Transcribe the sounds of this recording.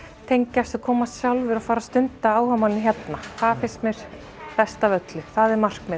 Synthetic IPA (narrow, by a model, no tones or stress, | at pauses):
t̪ʰejɲcast̪ʏkʰɔːmast̪sjawlvɪɾafaːɾast̪ʏnt̪aaːwhœmannɪçjɛt̪naθaðfɪst̪mjɛɾ̥ | pɛst̪avœt̪lʏθaðɛɾmar̥kmɛ